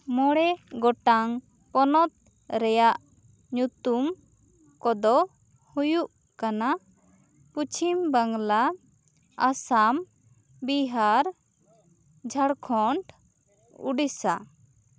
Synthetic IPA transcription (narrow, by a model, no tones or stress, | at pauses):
mɔɽɛɡɔʈaŋ | pɔnɔt̪̚ | ɾɛjaʔ | ɲut̪um | kɔd̪ɔ | hujuʔ | kana | put͡ʃʰimbaŋla | asam | biɦaɾ | d͡ʒʱaɽkʰɔɳʈ | ṵɖisa